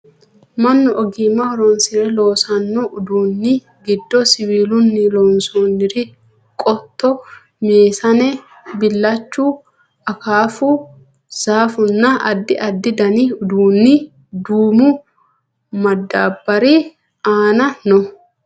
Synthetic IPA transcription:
mɐnːɔʔɔɡimɐwɔɾɔnsɪɾɛlo̞ːsɐnːɔʔʊd̪uːnːɪ | ɡɪd̪ːɔsɪwiːlʊnːɪlɔnsoːnːɪɾɪ | kʼɔt̪ːɔ | meːsɐnɛ | bɪlːɐt͡ʃːu | ɐkaːfu | z̥aːfʊnːɐʔɐd̪ːɪʔɐd̪ːɪd̪ɐnɪʊd̪uːnːɪ | d̪uːmʊ | mɐd̪ːaːbːɐɾi | aːnɐnɔ

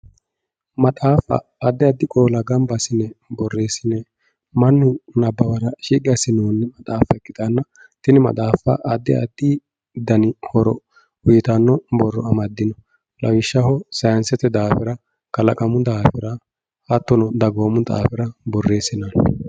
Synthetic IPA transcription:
mɐt̪ʼaːfɐ̰ːd̪ːɪɐd̪ːɪkʼo̞ːlɐɡɐmbɐsɪnːɛbɔrːe̞ːsɪnːɛ | mɐnːʊnɐbːɐwɐɾɐʃiːkʼɪjɐsɪnoːnːɛmɐt̪ʼaːfɐɛkːɪt̪ɐnːɐ | t̪ɪnɪmɐ̰t̪ʼaːfɐ̰ʔɐd̪ːɪɐ̰d̪ːɪ | d̪ɐnɪhɔɾɔ̰ | wʊjɪt̪ɐnːɔbɔrːɔɐmɐd̪ːɪnɔ | lɐwɪʃːɐhɔsɐjɐnsɛt̪ːɛd̪aːfɪɾɐ | kɐlɐkʼɐmʊd̪aːfɪɾɐ | hɐt̪ːɔnɔd̪ɐɡo̞ːmʊt̪ʼa̰ːfɪɾɐbɔrːe̞ːsɪnɐn

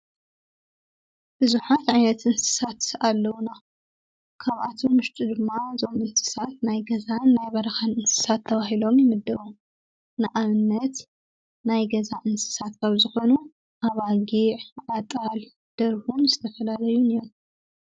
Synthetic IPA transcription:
b̥ɨzuħat̪ʕajnɐt̪ʔɨnsɨ̥sat̪alːɐwuna | kʰaβʔa̰t̪ʰumɨʃt̪ʼud̪ɨmːazo̞mɨnsɨ̥sat̪najɡɐzanːajβɐɾɐxanɨnsɨ̥sat̪ʰːɐβahilo̞mjɪmɨd̪ːɐɾum | nɨʔaβɨnːɐt̪ | najɡɐzaʔɨnsɨ̥sat̪kʰaβzɨxo̞nu | ʔaβaɡiʕʕat̪ʼal | d̪̥ɐɾhunzɨt̪ʰɐfɐlalɐjuneom

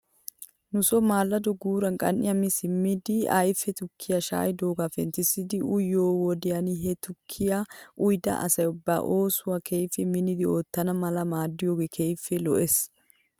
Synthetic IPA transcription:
nʊsɔmaːlːɐd̪ɔɡuːɾɐnkʼɐ̰nʔɪjɐmɪsɪmːɪd̪ɪa̰jfːɛt̪ʊkʰːɪjɐʃa̰ːjd̪o̞ːɡafɛ̰nt̪ɪsɪd̪ɪʊjːoːwɔd̪ɪjɐnɪɦɛt̪ʊkʰːɪjaʔʊjd̪ɐ̰ʔɐ̰sɐjʊbːa̰ːʔo̞ːsʊwɐkʰejfɛmɪnɪd̪ɪo̞ːt̪ːɐnɐmɐlɐmaːd̪ːɪjoːɡekʰejfːɛlɔ̰ʔes

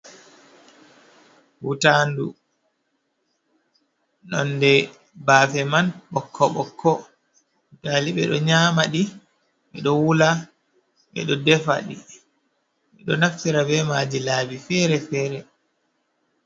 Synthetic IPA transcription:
hutandu | nɔ̰ndɛ | baːfɛmanɓɔkʰːɔɓɔkʰːɔ | utaliɓɛɗɔɲaːmaɗi | ɓɛɗɔwula | ɓɛ̰ɗɔdɛfa̰ɗi | ɓɛɗɔnaktiɾabɛmaːd͡ʒilaːbifɛːɾɛfɛːɾɛ

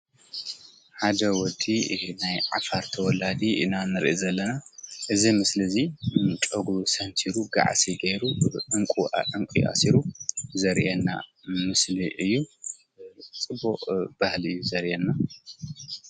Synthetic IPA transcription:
ħad̪ɐwɔd̪ːinajʕa̰faɾt̪ʰɐwɔlad̪iʔɨnanɨɾʔizɐlːɐnaʔɨzimɨslɨzit͡ʃʼoɡɾusɐnt̪ʰiɾuɡa̰ʕsiɡejɾuʔɨŋkʼṵʔɨŋkʼḭʔa̰siɾuzɐɾʔɛnːa̰ | mɨsliʔɨjːu | t͡sʼɨbuʔʼb̥ahlɨjːuzɐɾʔɛnːa

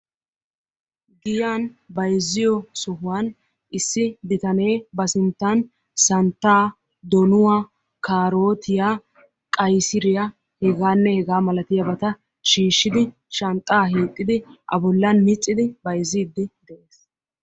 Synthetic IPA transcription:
ɡɪjaːnbɐjzːɪjɔsɔhʊwaːn | ʔɪsːɪd̪ɪt̪ɐne̞ːbɐsɪnt̪ːɐn | sɐnt̪ːaː | d̪ɔnʊwa | kaːɾo̞ːt̪ʰɪjaː | kʼɐjsɪɾɪjɐ | hɛɡaːnːɛhɛɡaːmɐlɐt̪ɪjɐbɐt̪ɐ | ʃiːʃːɪd̪ɪ | ʃɐnt̪ʼːaːɦeːt̪ʼːɪd̪ɪʔɐ̰bɔlːɐnmɪt͡sʼːɪd̪ɪbɐjziːd̪ːɪd̪ɛʔeːs

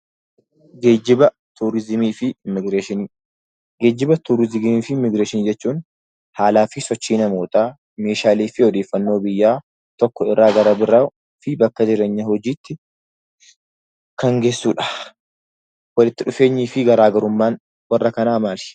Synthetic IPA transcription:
ɡe̞ːd͡ʒːɪbɐ | t̪uːɾɪzɪmiːfɪɪmːɪɡɾeːʃɪniː | ɡeːd͡ʒːɪbɐt̪uːɾɪzɪɡmiːfɪɪmːɪɡɾeːʃɪniːd͡ʒɛt͡ʃːuːn | haːlaːfɪsɔt͡ʃːiːnɐmoːt̪aː | me̞ːʃaːliːfɪɔd̪eːfːɐnːo̞ːbɪjːaː | t̪ɔkːɔɪrːaːɡɐɾɐbɪɾa | fɪbɐkːɐd͡ʒɪɾeːɲːɐhɔd͡ʒiːt̪ːɪ | kɐŋɡe̞ːsːuːᶑɐ̥ | wɐlɪt̪ːɪᶑʊfe̞ːɲːiːfɪɡɐɾaːɡɐɾʊmːaːn | wɐrːɐkɐnaːmaːlɪ̥

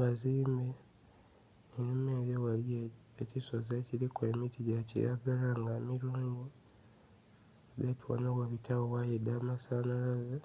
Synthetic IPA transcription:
βaziːmbe | inime̞ːɾewalije | ecisozeciɾikweːmitiɟacḭɾa̰ɡalaŋɡaːmiɾuːŋɡu | ɡetiwo̰nowaβitʰawowajedːaːmasaːnalaza

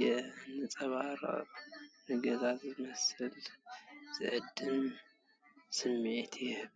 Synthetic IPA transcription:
ɛɨnɨt͡sʼɐβaɾ | nɨɡɐzazɨmɐsɨl | z̥ɨʕɨd̪ːɨm | sɨmːet̪ʰjhβ

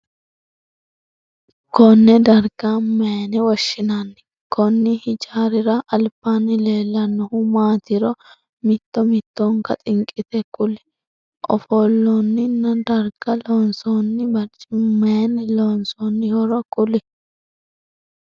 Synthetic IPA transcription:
kɔnːɛd̪ɐɾɡameːnɛwɔʃːɪnanːɪ̥ | kʰɔnːɪhɪd͡ʒaːɾɪɾɐʔɐlpːaːnːɪleːlːɐnːɔhʊmaːt̪ɪɾɔ | mɪt̪ːɔmɪt̪ːɔŋkɐ̰t̪ʼɪŋkʼːɪt̪ɛkʼʊlɛ̥ | ʔɔ̰foːlːonːɪnːɐd̪ɐɾɡ̥ɐloːnsoːnːɪbɐɾt͡ʃʼɪmeːnɛloːnsoːnːɪhɔɾɔkʼʊlɛ

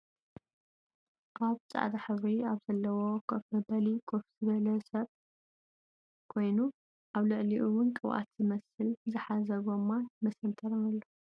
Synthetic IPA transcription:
ʔaβt͡sʼa̰ʕd̪aħɨβɾiaβzɐlːɐwokʰɐfɐbɐlikʰofz̥ɨβɐlɐsɐβ | kʰo̞jnu | ʔaβlɨʕliʔuwʊnkʼɨwʔa̰t̪z̥ɨmɐsɨlzɨħazɐɡomːamɐsɐnt̪ʰɐɾɐnɐlːo

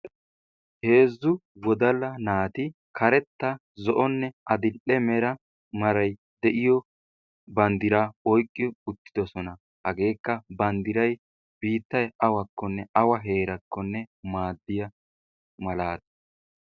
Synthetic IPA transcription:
he̞ːzːʊwɔd̪ɐlːɐnaːt̪ɪ | kʰɐɾɛt̪ːɐ | zɔʔɔnːɛɐd̪ɪlʔɛmɛɾɐ | mɐɾɐj | d̪ɛʔɪjɔ | bɐnd̪ɪɾaːɔjkʼːɪʊt̪ːɪ̥d̪ɔsɔnɐ | hɐɡe̞ːkːɐbɐnd̪ɪɾɐj | biːt̪ːɐjɐwɐkːɔnːɛʔɐwɐɦe̞ːɾɐkːɔnːɛmaːd̪ːɪjɐ | mɐlaːd̪ɐ̥

